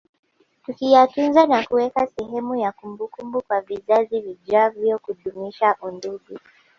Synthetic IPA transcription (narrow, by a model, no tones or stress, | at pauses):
tukijatunzanakuwɛkasɛɦɛmujakumbukumbukwavizaziviʄavjɔkuɗumiʃaʔunduɡu